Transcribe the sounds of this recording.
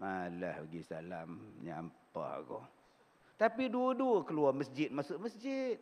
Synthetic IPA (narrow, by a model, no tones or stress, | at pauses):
alahaɡisalamɲa̰mpa̰hɡɔ̰ | t̪apiduəduəkəluaməsd͡ʒɪt̪̚masʊʔməsd͡ʒɪt̪̚